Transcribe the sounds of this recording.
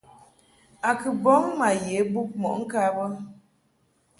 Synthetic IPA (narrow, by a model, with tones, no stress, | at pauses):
a˨kɨ˨bɔ˨˦mma˨je˨˦bu˦p̚mɔ̰˨ʔŋ̩˦ka˦bɔ˦